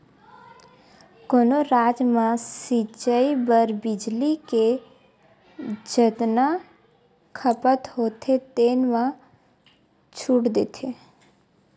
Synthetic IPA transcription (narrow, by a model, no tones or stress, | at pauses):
koːnoɾaːd͡ʒmãsit͡ʃəibəɾbɪd͡ʒlike | d͡ʒət̪na | kʰəpət̪hoːt̪ʰet̪eːnmã | t͡ʃʰuʈd̪et̪ʰe